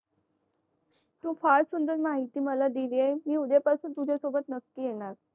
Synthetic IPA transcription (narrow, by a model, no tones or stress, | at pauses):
t̪ũːfaɭsund̪əɾmaɦit̪iːməlad̪iliemiːud̪epasuːnt̪ud͡ʑʱasobət̪nəkːiːjeɳ̃aɾ